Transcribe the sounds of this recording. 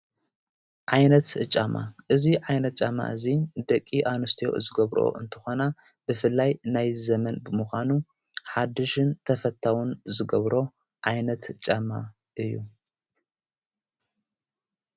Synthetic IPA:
ʕajnɐt̪t͡ʃʼamʔa̰ʔɨziʕajnɐt̪̚t͡ʃʼama̰ʔɨzid̪ɐkʼːiʔanɨst̪ʰijo̞̰zɨɡɐβɾo̰ʔɨ̰nt̪ʰɨ̥xo̞na | b̥ɨfɨlːajnajzɐmɐnbɨmuxʷanu | ħad̪ɨʃɨnt̪ʰɐfɐt̪ʰːawunzɨɡɐβɾo̞ | ʕajnɐt̪t͡ʃʼama̰ | ʔɨjːu

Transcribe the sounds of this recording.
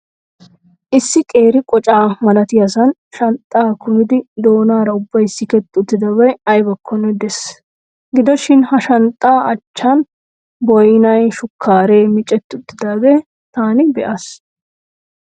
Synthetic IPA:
ʔɪsːɪkʼe̞ːɾɪkʼɔt͡ʃʼaːmɐlɐt̪ɪjɐsɐnʃɐnt̪ʼːaːkʊmɪd̪ɪd̪o̞ːnaːɾɐʊbːɐjsːɪkɛt̪ːɪʊt̪ːɪd̪ɐbɐjɐjbɐkʰːɔnɛd̪ɛs | ɡɪd̪ɔʃɪnhɐʃɐnt̪ʼːaːɐt͡ʃːɐn | bɔjnɐjʃʊkʰːaːɾe̞ːmɪt͡ʃʼːɛt̪ːɪʊt̪ːɪd̪ɐːbeː | t̪aːnɪbɛʔɐs

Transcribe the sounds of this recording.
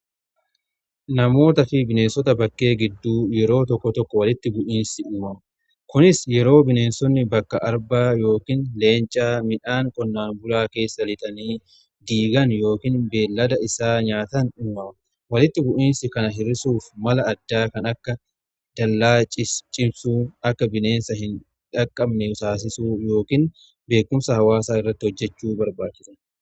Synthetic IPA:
nɐmo̞ːt̪ɐfɪbɪne̞ːnsɔt̪ɐbɐkʼːe̞ːɡɪd̪ːuːjɛɾo̞ːt̪ɔkːɔt̪ɔkːɔwɐlɪt̪ːɪbʊʔiːnsɪʔʊmɐmɐ | kʊnɪsjɛɾo̞ːbɪne̞ːnsɔnːɪbɐkːɐʔɐɾbaːjo̞ːkɪnle̞ːnt͡ʃʼaːmɪᶑaːŋkʼɔnːaːnbʊlaːke̞ːsːɐlɪt̪ʼɐniː | d̪iːɡɐnjo̞ːkɪnbeːlːɐd̪ɐɪsaːɲaːt̪ɐnɪmːɐmɐ | wɐlɪt̪ːɪbʊʔiːnsɪkɐnɐɦɪɾɪsuːfmɐlɐːd̪ːaːkɐnɐkːɐ | d̪̥ɐlːaːt͡ʃʼɪt͡ʃʼɪmsuːɐkːɐbɪne̞ːnsɐhɪn | ᶑɐkʼːɐbnɛʊsaːs̬ɪsuːjo̞ːkɪn | be̞ːkːʊmsɐhɐwaːsaːɪrːɐt̪ːɪhɔd͡ʒːɛt͡ʃːuːbɐɾbaːt͡ʃːɪsɐ

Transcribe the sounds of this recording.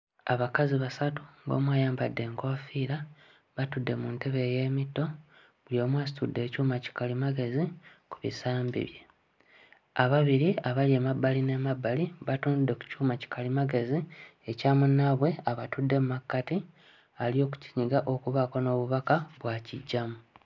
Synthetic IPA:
aβakaziβasatu̥ŋɡo̞̰ːmwaːjaːmbadːe̞ːŋkofiːɾa | βatudːe̞munte̞βe̞ːje̞ːmitːo̞ | βuljo̞ːmwaːsi̥tudːe̞ːcuːmaci̥kalimaɡe̞zikuβḭsaːmbḭβje̞̰ | aβaβiɾiaβaljeːmabːaline̞mabːaliβatuːndudːe̞ku̥cuːmaci̥kʰalimaɡe̞ziecaːmunːaβwe̞aβatudːe̞mumakːati | aljo̞ːk̬u̥ci̥ɲiɡaʔo̞kuβako̞no̞ːβuβakaβwaːciɟːamu

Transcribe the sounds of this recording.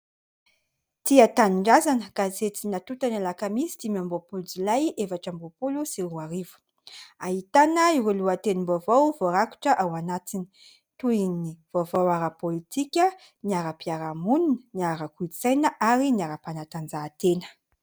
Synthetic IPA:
t̪iat̪aniɳɖ͡ʐazanəkazet͡sinat̪ut̪analakamisi̥d̪imiambopuld͡zilajevaʈ͡ʂambopulusiɾuaɾivu̥ | aɦit̪anəiɾuluat̪enimbovowvoɾaku̥ʈ͡ʂəʔawanat̪ini̥ | t̪uiniv̥ovowaɾapolit̪ikʲə | niaɾapiaɾamuninəniaɾakuit͡sajnəʔaɾiniaɾapanat̪and͡zaːt̪enə̥

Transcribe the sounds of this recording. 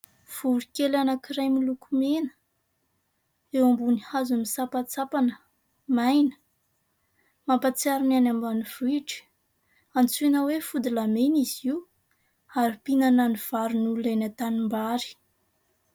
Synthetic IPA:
v̥ulikelanəkiɾajmilukumenə̥ | ewambunihazumisapat͡sapanə | majnə̥ | mampat͡siaɾinanambaniv̥iʈ͡ʂi̥ | ant͡sunəwefud̪ilameniziw | aɾipinananiv̥aɾunulenat̪animbaɾi̥

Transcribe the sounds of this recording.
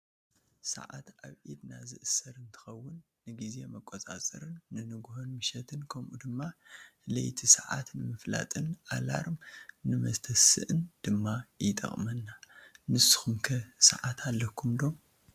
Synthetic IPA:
sɐ̰ʕa̰t̪ʔaβʕid̪nazɨʔɨsːɐɾɨnt̪ʰɨ̥xɐwːʊnːɨɡizemɐkʼot͡sʼa̰t͡sʼɨ̰ɾɨnːɨnɨɡhonmɨʃɛt̪ʰɨnkʰɐmʔud̪ɨmːalɐ̰jt̪ʰisɐʕa̰t̪nɨmɨfla̰t̪ʼɨnʔala̰ɾmnɨmɐst̪ʰɐsɨ̰ʔɨnd̪̥ɨmːajɪt̪ʼɐ̰χʼmɐnːanɨsːɨ̥xumkʰɐsɐ̰ʕat̪ʰalːɐkʰumd̪o̞m

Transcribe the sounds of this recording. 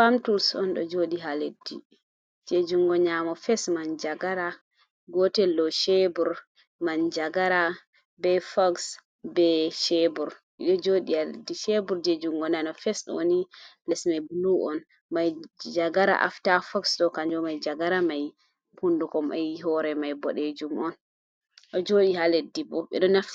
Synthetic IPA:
famtulsɔ̰nɗɔ̰d͡ʒoɗiɦaledːi | d͡ʒed͡ʒuŋɡɔɲamɔfɛsmand͡ʒaɡaɾa | ɡɔtɛlːɔʃebuɾ | mand͡ʒaɡaɾa | bɛfɔks | bɛʃebuɾʔḭɗɔd͡ʒoɗialdiʃebuɾd͡ʒed͡ʒumɡɔnanɔfɛsɗɔ̰wonilɛsmajbuluʔɔn | majd͡ʒaɡaɾa̰ʔa̰ftafɔksɗɔkaɲd͡ʒɔmajd͡ʒaɡaɾamaj | hundukɔmʔajɦɔɾɛmajbɔɗed͡ʒumɔn | ʔɔd͡ʒoɗihaledibɔɓɛ̰ɗɔnaf

